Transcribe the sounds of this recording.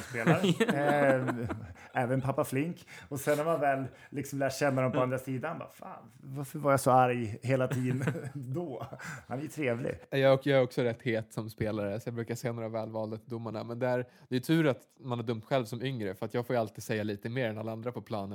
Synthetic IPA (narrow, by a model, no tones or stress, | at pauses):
speːlaɾ | ɛːvənpʰapːaflɪŋkɔsɛnhaɾmanvɛːlː | ɪksɔmlæːʈɕɛnːad̪ɔmpɔand̪ɾasiːd̪annba̰ːfa̰ːn | vaɾfœɾvaɾjasɔaɾjɦeːlat̪ʰiːd̪nd̪ɔha̰næjʉt̪ʰɾeːvlɪ̰ɡɛjɑɔkjɑæɾɔksɔɾɛt̪ːheːt̪sɔmspeːlaɾəsɔjɑːɡbɾʉ̟ːkasɛːanoːɾavɛːlvɑːld̪ad̪ʊmːaɳa̰mɛnd̪ɛæɾd̪̥ɛjʉt̪ʰʉ̟ːɾat̪ | manhæɖɵmt̪ɧɛlvsɔmʏŋɾəfœɾat̪jɑːɡfoːjalt̪iːd̪sɛjːaliːt̪əmeːɾɛnalːaand̪ɾapʰɔpʰlɑːnən